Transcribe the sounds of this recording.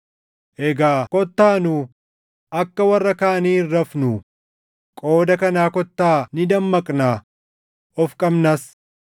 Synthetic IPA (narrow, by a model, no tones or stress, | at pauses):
ʔɛɡaːkɔt̪ːaːnu | ʔɐkːɐwɐrːɐkaːniːrːɐfnu | kʼo̞ːd̪ɐkɐnaːkɔt̪ːaːnɪd̪ɐmːɐkʼnaː | ɔfkʼɐbnɐs